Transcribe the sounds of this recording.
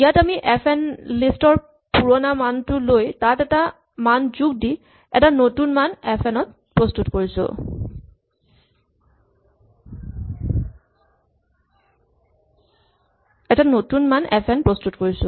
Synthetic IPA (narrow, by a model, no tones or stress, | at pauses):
ijatamiʔɛpʰɛnlistɔɹ | puɹɔnamantʊlojtatɛta | manzuk̚di | ɛ̰tanotunmanɛpʰɛnɔt̚ | pɹɔstutkoɹisʊ̰ | ɛtanotunmanɛ̰pʰɛnpɹɔstutkoɹisʊ̰